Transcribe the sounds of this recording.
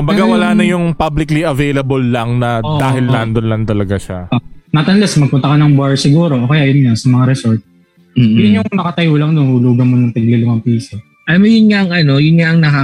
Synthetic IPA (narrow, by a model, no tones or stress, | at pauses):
kʊmbɐɡawɐlaːnɐjʊŋpablɪkliʔɐvejlɐbolːɐŋnɐd̪aːɦɪlnand̪onlɐnt̪ɐlɐɡaʃa̰nɐt̪ɐnlɛsmɐɡ̚pʊnt̪ɐkɐnɐŋbaɹsɪɡuːɾoʔoːkɐjajʊnɲasɐmɐŋaɾɛsoɹt̪̚ː | jʊnjʊŋnɐkɐt̪ɐjolɐŋd̪onhʊluːɡɐnmonɐŋt̪ɐɡlɪlʊŋɐŋpiːsɐ | ʔɐmojʊnɲaʔɐŋʔɐno̞jʊnɲaʔɐŋnɐka